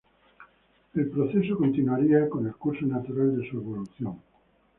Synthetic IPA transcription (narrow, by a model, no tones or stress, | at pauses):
elpɾoθesokont̪inuaɾiakonelkuɾsonat̪uɾald̪esueβ̞oluθjõŋ